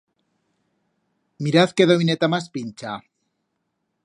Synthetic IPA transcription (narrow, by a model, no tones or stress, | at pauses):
miɾaθkeðoβinet̪amaspinʲt͡ʃa